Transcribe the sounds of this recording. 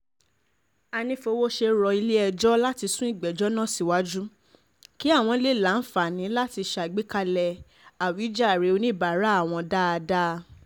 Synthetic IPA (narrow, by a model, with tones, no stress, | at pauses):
a˧nĩ˧fo˧wo˦ʃe˧ɾɔ˧i˧le˦ɛ˧d͡ʒɔ˦la˦ti˧sũ˦i˦˨ɡ͡bɛ˨d͡ʒɔ˦nã˦˨si˨wa˨˦d͡ʒu˦ | ki˦a˦˨w̃ɔ̃˧le˦˨la˨˦n̩˦fa˨nĩ˨˦la˦ti˧ʃa˨ɡ͡be˦ka˧lɛ˧ | a˨wi˨˦d͡ʒa˦˨ɾe˨˦o˧nĩ˦˨ba˨ɾa˨˦a˦˨w̃ɔ̃˧da˦a˧da˦